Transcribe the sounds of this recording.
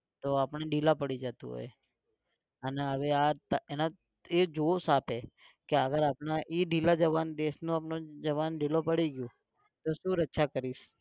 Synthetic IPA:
t̪oapəɳ̃eɖilapəɽid͡ʒət̪ṵ̃ɦo̰j | əneɦəʋeat̪əena | ed͡ʒosape | keəɡəɾaːpɳ̃aʔiɖilad͡ʒəʋand̪esnũapnod͡ʒəʋanɖilopəɽiɡjũ | t̪oʃũɾətːʃʰakəɾiʃ

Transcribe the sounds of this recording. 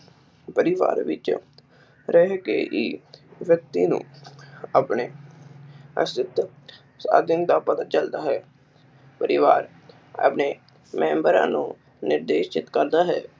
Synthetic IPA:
pəɾɪʋa̰ːɾʋɪ̰t͡ʃ | ɾɛɦkḛːʔiːʋjək̚t̪iːnṵ̃ːaːpɳeː | ə̰st̪ɪt̪ | sa̰ːd̪ɪnd̪aːpət̪ət͡ʃəld̪aːɦɛː | pəɾɪʋaːɾ | a̰ːpneː | mɛ̃ːmbəɾã̰ːnũː | nɪɾd̪eːʃt͡ʃɪt̪kəɾd̪aːɦɛː

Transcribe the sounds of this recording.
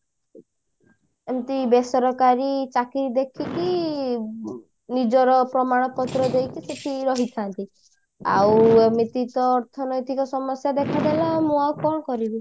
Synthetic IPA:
emt̪ibesɔɾɔkaɾit͡ʃakiɾid̪ekʰiki | nid͡ʒɔɾɔpɾɔmaɽ̃ɔpɔt̪ɾɔd̪ejkiset̪ʰiɾɔɦit̪ʰant̪i | a̰wemit̪it̪ɔːɾt̪ʰɔnɔjt̪ikɔsɔmɔsjad̪ekʰad̪elamũawkɔɽɔkɔɾibi

